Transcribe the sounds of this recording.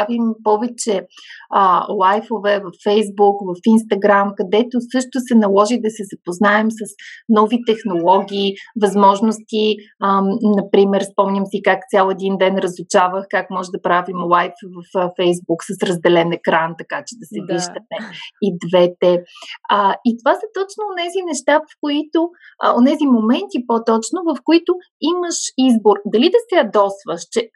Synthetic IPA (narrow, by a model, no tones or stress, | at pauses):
avimpɔvɛt͡ʃɛ | lˠajfovɛvɐfːɛjzbukvɐfinst̪ɐɡɾamkɐd̪ɛt̪osɤʃt̪ʊsɛnɐlˠɔʒid̪ɐsɛzɐpoznaɛmsɐsnɔvit̪ɛxnolˠɔɡʲiːvɐzmɔʒnost̪iənɐpɾimɛɾspɔmnʲəmsikakt̪sʲjalˠɛd̪ind̪ɛnɾəzˠut͡ʃavəxkakmɔʒɛd̪ɐpɾavimlˠajfvɐffɛjzbuksəsɾəzd̪ɛlɛnɛkɾant̪ɐkat͡ʃɛd̪ɐsɛviʒd̪əmɛid̪vɛt̪ɛəit̪ovasət̪ɔt͡ʃnoːnɛzinɛʃt̪avəfkoit̪o | onɛzimomɛnt̪ipot̪ɔt͡ʃnovɐfkoit̪ʊ | iməʃizboɾd̪ɐlid̪ɐsɛɐd̪ɔsvəʃt͡ʃɛ